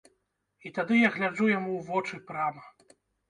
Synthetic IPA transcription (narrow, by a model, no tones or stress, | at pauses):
it̪ad̪ɨjaɣlʲad͡ʐujamuwvɔt͡ʂɨpɾamɐ